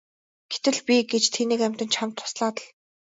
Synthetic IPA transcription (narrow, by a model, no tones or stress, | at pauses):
ɡ̥et̪ɘ̆ɮpʲiɡet͡ɕt̪ʰeniːkæmʲt̪ə̆nt͡ɕχam̥t̪ʰːʊ̥sɮaːt̪ə̆ɮ